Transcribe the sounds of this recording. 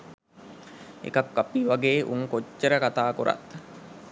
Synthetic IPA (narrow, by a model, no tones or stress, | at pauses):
ḛkakːapiːʋaɡeːʔṵŋkot͡ʃːəɾəkat̪aːkuɾa̰t̪